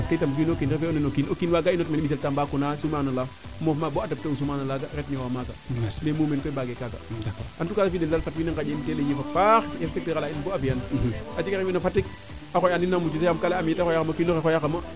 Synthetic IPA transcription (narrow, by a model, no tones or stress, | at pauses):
askatamɡ̬inokinɾefeonenokinokinwaːɡainotmenbis̬eltambaːkunasumaːnɐlaf | mofmaboatɐp̚teusumanɐlaːɡaɾɛtniwamaɡamemumenkojbaɡekaɡa̰antukalafidenlalfatwiniŋkad͡ʒenteleɲifapaxɛfsek̚tikalainboafianat͡ʃikɾenafatik̚ | axɔjaninamut͡ʃusejamkalaamijɛtaɔjakamokinoxexɔjakama